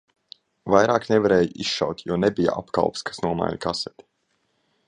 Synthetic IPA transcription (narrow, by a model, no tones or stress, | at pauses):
vajɾaːknevaɾɛːjisʃa̰wt̪ʲjɔnebija̰a̰pka̰lˠpskʰḁsnuɔma̰jlkasɛt̪ʲi̥